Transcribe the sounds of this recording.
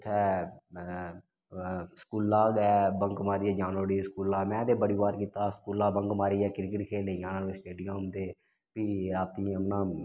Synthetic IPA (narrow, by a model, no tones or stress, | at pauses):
t̪ʰɛː | skuːlːaːɡɛːbəŋkmaːɾiːɛːd͡ʒaːnʋəɾiːskuːlaːmɛ̃ːd̪eːbəɽiːbaːɾkiːt̪aːskuːlaːbəŋkmaːɾiːɛːkɪɾkəʈkʰeːlejaːnaːsʈeːɖɪjəmd̪eː | piːɾaːt̪iːəmnãː